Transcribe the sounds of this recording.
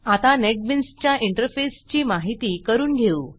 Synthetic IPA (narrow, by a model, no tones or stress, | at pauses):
at̪anɛʈ̚binst͡ɕjaʔiɳʈəɾfest͡ɕiːmaɦit̪iːkəɾuːnɡʱeu